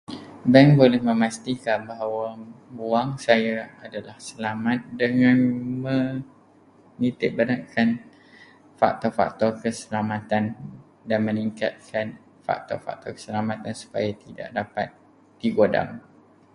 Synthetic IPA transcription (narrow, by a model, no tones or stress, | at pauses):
bɛŋbolɛhmə̃mãst̪ikanbaɦawabuaŋsajaadalahsəlamat̪̚dəŋãnmə̃ | nit̪ɪʔ̚banaʔkʰan | fa̰k̚t̪ɔrfa̰k̚t̪ɔrkəsəlamãt̪an | danmə̃niŋka̰t̪̚kʰan | fa̰k̚t̪ɔ̰rfa̰k̚t̪ɔrkə̥səlamãt̪ansu̥pajat̪ida̰ʔdapa̰t̪̚ | d̥iɡoda̰m